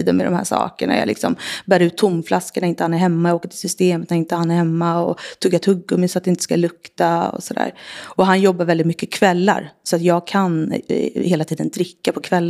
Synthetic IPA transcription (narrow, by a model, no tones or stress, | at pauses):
iːd̪ənmɛ̰d̪ɔ̰mhæ̰ːʂɑ̰ːkəɳa̰ja̰lɪ̰ksɔ̰mbæːɾʉ̟ːt̪ʰːʊmflʔaskəɳaɾɪnt̪əhanæɾhɛmːajaɡoːkəʈʰɪlsʏst̪eːmət̪naɾɪnt̪əhanæɾhɛmːaɔt̪ʰɵɡːat̪ʰhɵɡːʊmɛsɔat̪̚ɛɪnt̪ə̥skalɵkt̪aɔ̰sɔd̪æ̰ːɾɔɦanjɔbːaɾvɛlɪt̪mʏkːəkʰvɛlːa̰ɾsɔat̪jɑːɡ̚kʰanheːlat̪ʰiːd̪ənd̪ɾɪkːapʰɔkʰvɛlː